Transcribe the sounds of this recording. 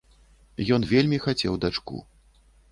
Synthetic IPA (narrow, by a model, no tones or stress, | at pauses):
jɔnvʲelʲmʲixat͡sʲɛwd̪at͡ʂkṵ